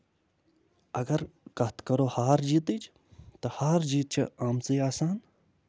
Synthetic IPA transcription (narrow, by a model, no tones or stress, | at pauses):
ɐɡɐɾkɐt̪ʰkɐɾoːhaːɾd͡ʒiːt̪ɨd͡ʒ | t̪ɐhaːɾd͡ʒiːt̪̚t͡ʃʰɐ̰aːmt͡siːaːsaːn